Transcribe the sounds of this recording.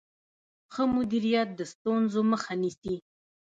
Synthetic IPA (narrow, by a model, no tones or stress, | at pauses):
xəmʊd̪iɾijat̪̚d̪əst̪unzoməxanisi